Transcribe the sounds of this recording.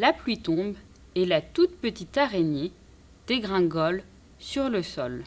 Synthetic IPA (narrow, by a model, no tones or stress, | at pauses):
laplɥit̪ɔ̃b | ɛlat̪ut̪pət̪it̪aʁene | d̪̥eɡʁɛ̃ɡɔl | syʁləsɔl